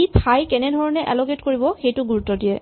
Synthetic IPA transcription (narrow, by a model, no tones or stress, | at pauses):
ipʰajkɛnɛdʱɔɹɔnɛʔɛ̰lɔketkoɹibɔxejtʊɡuɹutːɔdijɛ